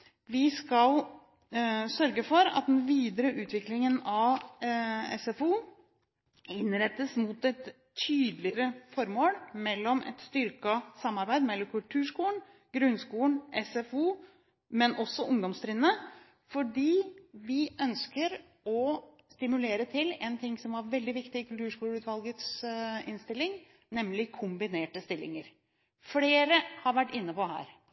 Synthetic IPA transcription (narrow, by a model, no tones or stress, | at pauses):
ʋɪskɑl | sœɾɡəfɔɾɑ̰t̪̚d̪ɛnʋiːd̪əɾəʔʉːt̪ʰʋɪklɪŋənɑʋ | ɛ̰sɛfuː | ɪnɾɛt̪ːəsmʊt̪ɛt̪ʰ | yːd̪lɪɾəfɔɾmoːlmɛlːɔmʔɛ̰t̪st̪ʏɾkɑsɑmːɑɾbæɪd̪mɛlːɔmkʰʉlt̪ʰʉːʂkuːɳ̩ | ɡ̥ɾʉnskuːlɳ̩ʔɛsɛfuː | mɛnʔɔsːɔʔʊŋd̪ɔmst̪ɾɪnːə | fɔɖiːʋɪʔœnskəɾ | ɔ | st̪ɪmʉleːɾət̪ʰɪlɛːnt̪ʰɪŋsɔmʋɑɾʋɛld̪ɪʋɪkt̪ɪɪkʉlt̪ʉːʂkuːlʉːt̪ʋɑlɡət̪sɪnst̪ɪlːɪŋ | nɛmlɪkʰʊmbɪneːʈəst̪ɪlːɪ̰ŋəɾ | fleːɾəhɑɾʋæʈːɪnːəpɔɦæ̰ːɾ